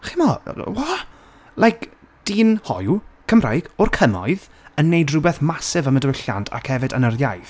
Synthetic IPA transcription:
χimɔwa | lˠajkʰ | d̥iːnhɔ̰jwkʰəmra̰jɡ̥ɔrkʰəmɔ̰ɨð | ənːejdrʊbɛθmasɪvəmədwɪɬa̰ntʰa̰kʰhɛvɨdənərjajθ

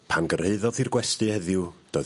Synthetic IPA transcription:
pʰanɡəreɨðɔðirɡwɛstɨhɛðjʊd̥oːɨ

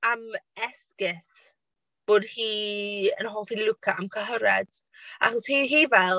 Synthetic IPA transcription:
amɛskɪs | b̥oːdhiːənɦɔːlˠfilʊkʰaʔamkʰəɦəɾɛd̥ | ʔa̰χɔshiːɦiːvɛlˠ

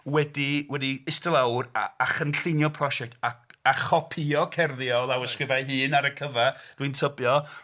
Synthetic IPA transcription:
wɛdiwɛdiɪstəlˠawraaχənɬɪnjɔpʰrɔʃɛk̚taaχɔpʰiɔkʰɛrðjɔlˠawəskrɪvajɦɨːnaɾəkʰəvad̥wintʰəbjɔ

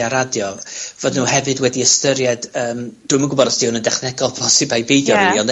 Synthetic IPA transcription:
aɾadjɔvoːdnuːhɛvɨdwɛdiəstəɾjɛdəːmd̥wɨməŋɡʊbɔɾɔsd̥ʰihʊnəndɛχnɛɡɔlˠbʰɔsɪbajbejdjɔniiɔnd

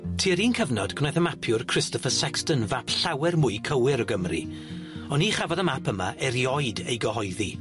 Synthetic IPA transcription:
tʰiːəɾiːnkʰəvnɔdkʰnajθəmapʰjʊrkʰr̥ɪstɔfəsɛkstənvapɬawɛrmʊːɨkʰəwɪɾɔɡəmrḭ | ɔniχavɔðəmapʰəma̰ʔeɾjɔjdejɡəhɔjði

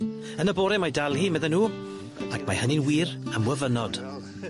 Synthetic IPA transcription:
ənəboːɾɛmajdalˠhimɛðɛnuː | akʰmajhənɪnwiːɾəmwəvənɔd̥

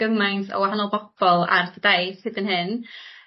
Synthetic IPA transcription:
ɡ̥əmajnsɔ̰waɦanɔlˠbɔb̥ɔlˠa̰rdədajθsɨdənɦɨn

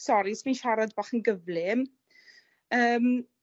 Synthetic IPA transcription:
sɔɾisminʃaɾadbaːχənɡəvlɪm | əːm

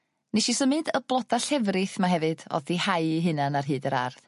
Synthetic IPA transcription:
neʃisəmɨdəblˠɔdaɬɛvrɨθmaɦɛvɨd̥ɔ̰ðːihaɨɦɨnanarɦɨːdəɾa̰rð

